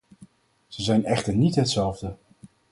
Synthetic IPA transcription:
z̥əzɛjnɛχtəɹnitɦətsɛlˠvdə

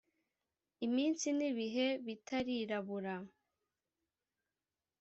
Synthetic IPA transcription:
imiːnsiniβiɦe̞βitʰaɾiɾaβuɾa

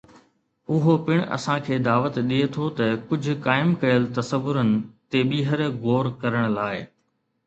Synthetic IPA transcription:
ʊɦopɪɽ̃ɐ̰sãkʰeːd̪aːʋət̪ɗiet̪ʰot̪ɐkʊd͡ʑʱʊ̆kaːɪmkɐjəlt̪ɐsəʋːʊɾənɪ̆t̪eɓiːɦəɾɣoːɾkɐɾəɽ̃laːɪ

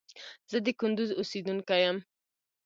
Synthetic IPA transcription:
z̥əd̪əkʊnd̪uzʊsid̪uŋkajam

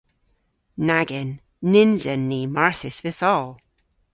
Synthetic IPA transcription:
naɡɛnː | ɪnzɛnːiːmaɹθɪsvɪθɔlˠ

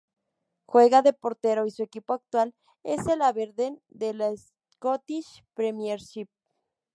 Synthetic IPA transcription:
xwe̞ɣaðe̞po̞ɾt̪e̞ɾoisue̞kipoak̚t̪wal | ḛselaβeɾðend̪elaes | kot̪iʃ | pɾemjeɾʃip̚

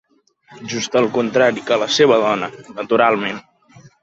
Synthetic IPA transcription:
ʒust̪əlˠkunt̪ɾaɾikələseβəðɔnənət̪uɾalˠmen

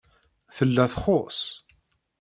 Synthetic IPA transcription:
θəlːæθχos

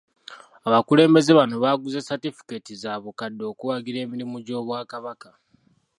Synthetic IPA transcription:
aβakule̞ːmbe̞ze̞βano̞βaɡuzesatifi̥ketizaːβukadːo̞ːkuwaɡiɾe̞ːmiɾimuɟo̞ːβwaːkaβaka

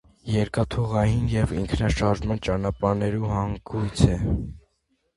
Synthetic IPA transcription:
jɛɾkɑt̪ʰuʁɑjinjɛviŋkʰnɑʃɑɾʒmɑnt͡ʃɑnɑpɑɾnɛɾuhɑŋɡujt͡sʰɛ

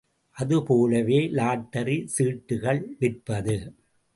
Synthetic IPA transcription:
ʔɐðɯpoːlɐʋeːlaːʈːɐɾisiːʈːɯɣɐɭʋɪrpɐðɯ

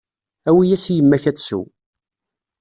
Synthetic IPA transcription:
æwijæsjəmːæçæt͡ssṵ

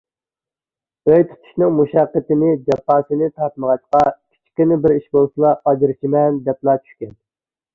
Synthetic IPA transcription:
øjt̪ʰu̥t̪ʰu̥ʃnɨŋmuʃɑqːət̪ɪnɪd͡ʒɛpːɑːsɨnɪt̪ʰɑt̪̚məʁɑt̪qɑkʲʰi̥t͡ʃʰkʲinɪbɪɾiʃbolˠsɨlˠɑɑd͡ʒɪɾt͡ʃʰimɛnd̪ɛplˠɑːt͡ʃʰy̥ʃkʲɛn

